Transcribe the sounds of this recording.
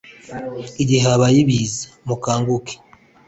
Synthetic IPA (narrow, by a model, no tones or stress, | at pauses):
iɟiɦaβajiβizḁmukaːŋɡuke̥